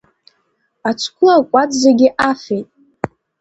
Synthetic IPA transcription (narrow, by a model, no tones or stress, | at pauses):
at͡ʃʷʰkʷʰʊlakʷʼadʼzeɡʲɪʔafejtʼ